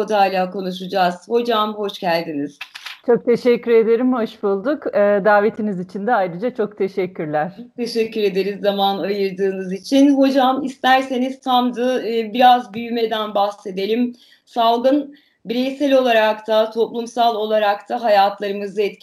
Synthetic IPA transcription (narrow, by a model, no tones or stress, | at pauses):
od̪aːlʲaːko̞nuʃ̬ud͡ʒaːz̥ho̞d͡ʒamɦo̞ʃɟælʲd̪iniz̥t͡ʃʰo̞k̚t̪ʰe̞ʃɛcʲːyɾe̞d̪e̞ɾimho̞ʃbulˠd̪ukɯːd̪aːve̞t̪ʰinizit͡ʃʰind̪ɛajɾɯd͡ʒat͡ʃʰo̞kt̪ʰe̞ʃɛkʲʰːyɾlʲæɾ̥t̪ʰe̞ʃɛcːyɾe̞d̪e̞ɾizːamanajɯɾd̪ɯːnɯzit͡ʃʰinho̞d͡ʒamist̪ʰæɾse̞niz̥t̪ʰamd̪ɯbiɾazbyjymed̪ænbahse̞d̪elʲim | salˠɡɯn | biɾejsɛlʲo̞lˠaɾakt̪ʰat̪ʰo̞plˠumsalˠo̞lˠaɾakt̪ʰaɦajat̪ʰlˠaɾɯmɯzɯɛt̪